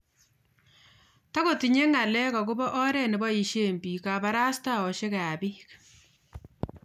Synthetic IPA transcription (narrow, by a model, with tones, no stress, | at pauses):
ta˦ko˨ti˨ɲe˦ŋa˨lɛ˦ka˨ku˦bɔ˦ʔɔ˦ɾɛ˦˨nɪ˨bɔ˦i˨ʃe˦mbiː˨ka˨ba˦ɾa˦sta˦˨ɔ˨ʃe˦ka˨a˨bi˦k